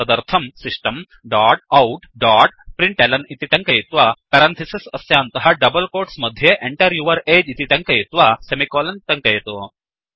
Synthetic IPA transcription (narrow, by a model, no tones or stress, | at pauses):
ɐd̪ɐɾt̪ʰɐmsiʂʈɐm | ɖaːʈ̚ɐwʈɖaːʈ̚pɾiɳʈelɐnit̪it̪ɐŋkɐjit̪ʋaːpɐɾɐnt̪ʰɐsisɐsjaːnt̪ɐɦɐɖɐbɐlkoːɾʈsmɐd̪ʱjeːʔeɳʈɐɾjuʋɐɾeːd͡ʒit̪it̪ɐŋkɐjit̪ʋaːsemikoːlɐnt̪ɐŋkɐjɐt̪u